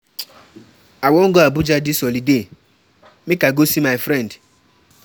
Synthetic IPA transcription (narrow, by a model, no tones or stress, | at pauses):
awɔŋ̩ɡɔabʊd͡ʒadɪsɔlide | mɪkaɡosimajfɾɛnd